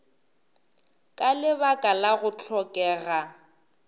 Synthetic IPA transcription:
kʼalɪβakʼalaɣʊt͡ɬʰɔkʼɛːɣa

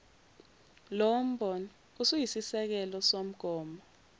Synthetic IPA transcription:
lom̩bɔnɔ | usujisisɛk̬ɛlɔsom̩ɡ̥ʱɔːmɔ

